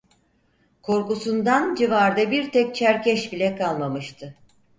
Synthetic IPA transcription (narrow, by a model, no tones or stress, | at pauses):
kʰo̞ɾkusund̪and͡ʒivaɾd̪ɛbiɾt̪ʰɛk̚t͡ʃʰæɾcʰɛʃbilʲɛkʰalˠmamɯʃt̪ʰɯ